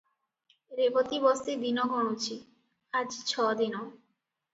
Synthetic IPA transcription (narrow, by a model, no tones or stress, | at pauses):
ɾebot̪ibɔst̪ed̪inoɡʱɔɽ̃ut͡ɕʰi | ad͡ʑt͡ɕʰɔd̪ino